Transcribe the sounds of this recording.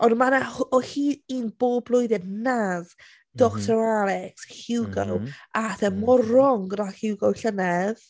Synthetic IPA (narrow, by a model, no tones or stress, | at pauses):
ɔnmanahɔhiːinb̥oːbblˠʊjdɛdnaz | d̥ɔktʰɔɾalɛkshɪwɡɔwaθɛmɔɾɔŋɡrahɪwɡɔwɬənɛð